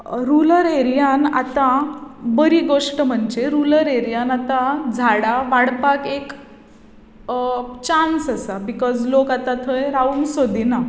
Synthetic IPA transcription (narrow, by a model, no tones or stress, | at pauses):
ɾuləɾeɾijana̰t̪ã | bəɾiɡoʂʈəm̤əɳd͡ʑeɾuləɾeɾijanat̪ãd͡zʱaɽaʋaɽpakek | t͡ɕansasabikɔd͡zlokat̪at̪ʰəjɾaunsod̪ʱina